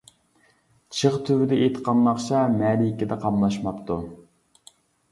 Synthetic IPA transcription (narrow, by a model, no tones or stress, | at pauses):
t͡ʃʰəχt̪ʰywɪd̪ɛet̪ʰə̥qɑmlˠɑχt͡ʃʰɑmæːɾikʲɪd̪ɛqʰɑmlˠɑʃmɑpt̪ʰu